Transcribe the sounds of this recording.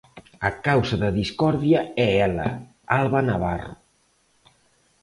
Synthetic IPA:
əkawzəðəðiskɔɾðiəɛɛlə̰ | alˠβanaβaro̰

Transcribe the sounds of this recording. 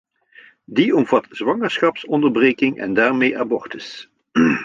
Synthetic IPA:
diɔmvɑtz̥ʋɑŋəɹsχɑpsɔndəɹbreːkɪŋɛ̰ndaːɹmejʔa̰ːbɔɹtəs

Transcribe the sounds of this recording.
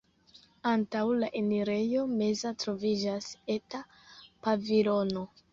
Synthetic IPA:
antawlaʔeniɾe̞jo̞me̞zatɾo̞vid͡ʒase̞ta | pavilo̞no̞

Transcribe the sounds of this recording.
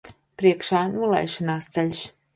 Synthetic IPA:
pɾiɛkʃaːnulˠɛ̰jʃɔnaːst̪sɛlʲs

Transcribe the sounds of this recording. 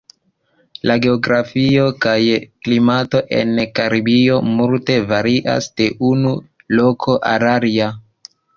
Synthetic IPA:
laɡe̞oɡɾafiokajklimato̞ʔe̞̰nkaɾibio̞multe̞vaɾiʔa̰sd̥e̞ʔunu | lo̞kʰo̞ʔa̰ɾaɾia

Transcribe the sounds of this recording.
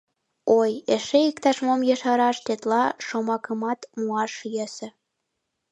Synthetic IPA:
ojeʃeikt̪ɑʃmomjeʃɑɾɑʃt̪et̪lɑʃomɑkəmɑt̪muɑʃjesĕ

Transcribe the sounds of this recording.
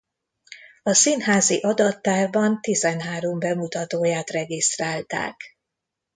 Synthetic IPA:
ɒsinɦaːziʔɒd̪ɒt̪ːaːrbɒnt̪izɛnɦaːɾombɛmut̪ɒt̪oːjaːt̪rɛɡist̪raːlt̪a̰ːk

